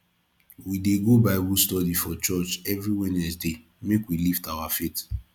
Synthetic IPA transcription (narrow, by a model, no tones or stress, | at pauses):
wideɡobaɪbustɔdifɔt͡ʃɔt͡ʃɛvɾiwinɛsde | mekwiliftawafet